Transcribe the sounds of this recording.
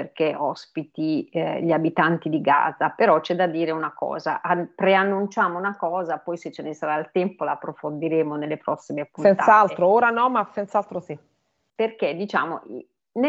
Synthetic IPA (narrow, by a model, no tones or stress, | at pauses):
perkeɔspit̪iʎiabit̪ant̪id̪iɡa̰ːzapeɾɔt͡ʃɛd̪ːad̪ːiːɾeunakɔ̰ːza̰ʔapɾeanːunt͡ʃaːmounakɔːzapɔjset͡ʃːenesaɾailt̪ɛmpolaːpːɾofond̪iɾeːmonelːepɾɔsːimeapːunɛnaaalt̪ɾooːɾanɔmːasɛnt̪saalt̪ɾosi | perk̟ed̪it͡ʃa̰ːmoʔi | n